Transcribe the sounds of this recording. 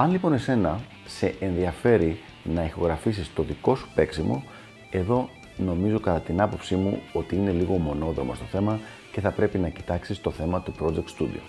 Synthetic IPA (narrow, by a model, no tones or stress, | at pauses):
ɐnlipo̞ne̞se̞nɐ | se̞ʔenðiɐfe̞ɾi | nɐixo̞ɣɾɐfisist̪o̞ðiko̞su̥pe̞ksimo̞̰ | e̞ðo̞ | no̞mizo̞kɐt̪ɐt̪inɐpo̞psimṵo̞t̪iine̞liɣo̞mo̞no̞ðɾo̞most̪o̞θe̞mɐ | ce̞θɐpɾe̞pinɐci̥t̪ɐksist̪o̞θe̞mɐt̪upɾo̞d͡zek̚t̪st̪ud̪ḭo̰